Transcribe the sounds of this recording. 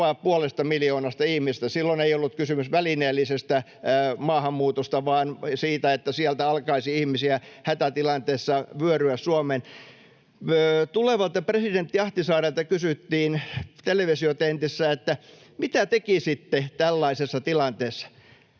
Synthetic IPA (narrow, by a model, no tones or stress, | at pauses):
ɑˑppuolest̪ɑmiljoːnɑst̪ɑihmisest̪æsilːoneiolːut̪kysymysʋælineːlːisest̪æ | mɑːhɑmːuːt̪ost̪ɑʋɑːnsiːt̪æet̪ːæsiælt̪æɑlkɑisiihmisiæhæt̪æt̪ilɑnt̪eːsːɑʋyøryæssuomen | t̪uleʋɑlt̪ɑpresident̪ːiɑht̪isɑːrɑlt̪ɑkysyt̪ːiːnt̪eleʋesiot̪ent̪isːæet̪ːæ | mit̪æt̪ekisit̪ːet̪ælːɑisesːɑt̪ilɑnt̪eːsːɑ̥